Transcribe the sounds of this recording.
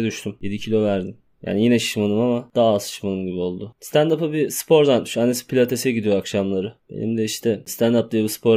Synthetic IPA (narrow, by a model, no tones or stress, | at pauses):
d̪yʃt̪ʰymje̞d̪icʰilʲo̞væɾd̪in | ja̰ːnijinɛʃi̥ʃmanɯmamad̪̥aːaːzʃi̥ʃmanɯmɟibio̞lˠd̪ʊst̪ʰand̪apɯbispʰo̞ɾd̪at̪mi̥ʃanːesi̥pʰilʲat̪ʰe̞sijɛɟid̪ijoakʃamlˠaɾɯb̥e̞̰nḭmd̪ɛiʃt̪ʰɛst̪ʰand̪ap̚d̪ajabispʰo̞ɾ